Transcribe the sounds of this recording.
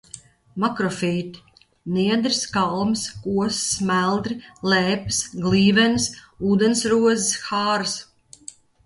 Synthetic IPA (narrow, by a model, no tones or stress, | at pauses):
makɾɔfiːt̪i̥ | niɛd̪ɾiskalˠmskuɔssmælˠd̪ɾilɛːpi̥sɡliːvɛnsuːd̪ɛnsɾuɔzisxaːɾs